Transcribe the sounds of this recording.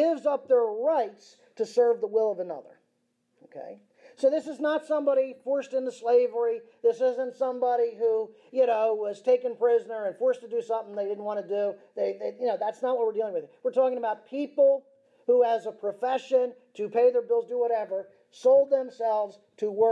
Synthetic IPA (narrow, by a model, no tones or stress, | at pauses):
ɪvzʌp̚ðə˞ɹaɪts | tʰɨsɜ˞vðəwɪlˠʌvənʌ̰ðə̰˞ | oʊkʰḛɪ | soʊðɪsɨznətsʌ̃mbɑɾifɔɹstɨ̃ntɨsleɪvə˞iðɪsɪzə̃ntsʌ̃mbɑɾiɦu | jɨnoʊwʌz̥tʰeɪkɨ̃npʰɹ̥ɪzənə˞ɨ̃nfɔɹstʰɨdɨsʌ̃mθɪ̃ŋðeɪdɪdⁿn̩ʔwɑ̃ɾ̃nɨduðeɪðejɨnoʊðætsnət̚wʌt̚wɨɹdilˠɪ̃ŋwɨðə˞wɨɹtʰɔkɪ̃ŋəbaʊt̚pʰipl̩ˠ | huəzəpʰɹ̥ɨfɛʃɨ̃ntʰɨpʰeɪðə˞bɪlˠzdəwʌɾɛvə˞ | soʊlˠd̪̚ðɨ̃msɛlˠvz̥tʰəwɜ